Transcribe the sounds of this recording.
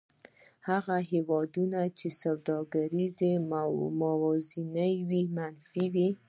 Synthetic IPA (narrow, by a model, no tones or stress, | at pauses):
haɣaɦewɑd̪unat͡ʃesawd̪ɑɡaɾizemawɑzinəjwimanfiwi